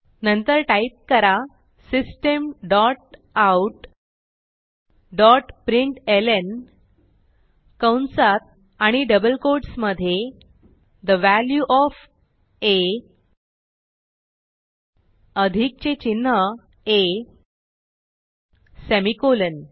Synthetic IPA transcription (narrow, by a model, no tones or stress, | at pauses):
nənt̪əɾʈaip̚kəɾa | sisʈəmɖɔʈ̚ | auʈ | ɖɔʈpɾiɳʈelen | kəwnsat̪̚ | aɽ̃iɖəbəlkoɾɖsməd̪ʱje | d̪əʋæljuʔɔf | e | əd̪ʱik̚t͡ɕet͡ɕinːə | e | semikolən